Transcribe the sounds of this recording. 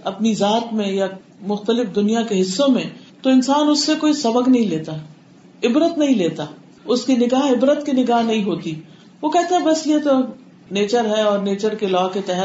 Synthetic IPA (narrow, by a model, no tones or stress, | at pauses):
ɐpnizaːt̪mẽja | mʊxt̪əlɪfd̪ʊnijakeɦɪsːõmẽt̪oɪ̃nsaːnʊsːekoːisɐbəɡnɐɦĩleːt̪aː | ɪbɾət̪nɐɦĩleːt̪aː | ʊskinɪɡaːɦɪbɾət̪kinɪɡaːɦnɐɦĩɦoːt̪i | ʋokɛɦt̪eɛ̃bɐsjet̪o | neːt͡ʃəɾɦɛɔːɾneːt͡ʃəɾkelɔːket̪ɛɦə